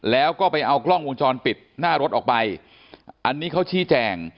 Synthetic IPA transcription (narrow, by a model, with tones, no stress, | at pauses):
lɛː˦˥wkɔː˥˩pa˧jʔa˧wklɔ˥˩ŋwo˧ŋt͡ɕɔː˧npi˨˩t̪̚naː˥˩ɾo˦˥t̪̚ʔɔː˨˩k̚pa˧j | ʔa˧nːiː˦˥kʰa˦˥wt͡ɕʰiː˦˥t͡ɕɛː˧ŋ